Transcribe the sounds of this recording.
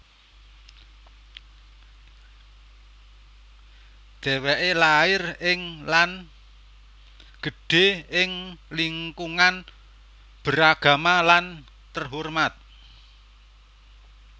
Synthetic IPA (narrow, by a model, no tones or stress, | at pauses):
d̪̥ɛ̤wɛʔelaɪrɪŋlan | ɡ̥ə̤ɖ̥e̤ɪŋliŋkuŋan | b̥əɾaɡ̥a̤malan | t̪ərɦurmat̪̚